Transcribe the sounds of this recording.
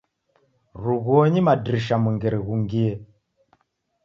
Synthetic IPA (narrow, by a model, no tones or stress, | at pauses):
ɾuɣɔɲimadɾiʃamuŋɡɛɾɛɣuŋɡiɛ